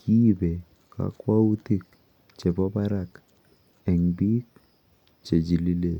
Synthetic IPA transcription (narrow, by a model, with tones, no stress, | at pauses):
ki˦be˨ | ka̰˨kwa˦u˦ti˦k̚ | t͡ʃe˨bɔ˦ba˦ɾa˦k | ɛ˨ŋbi˦k̚ | t͡ʃe˨d͡ʒi˨li˦le˨